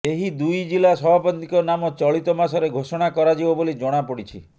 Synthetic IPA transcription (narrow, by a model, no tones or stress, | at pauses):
eɦid̪ujd͡ʒilasɔbʱapɔt̪ikɔnamɔt͡ʃɔɭit̪ɔmasɔɾeɡʱosɔɽ̃akɔɾad͡ʒibɔbolid͡ʒɔɽ̃apɔɽit͡ʃʰi